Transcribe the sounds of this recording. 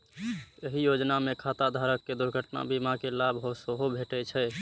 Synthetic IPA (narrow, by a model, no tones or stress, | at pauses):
jəɦijod͡ʒnamekʰat̪ad̪ʱaɾəkːed̪uɾɡʱəʈna̰bimakelabɦosəɦobʱeʈɛt͡ʃʰɛ